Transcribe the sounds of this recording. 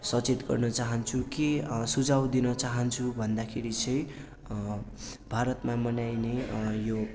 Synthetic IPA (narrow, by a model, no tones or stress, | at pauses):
sʌt͡set̪ɡʌ̰rnʌt͡saɦʌnt͡sʰukesud͡zawd̪inʌt͡saɦʌnt͡sʰubʱʌnd̪akʰeɾit͡sʰʌj | bʱaɾʌt̪mamʌnajnejo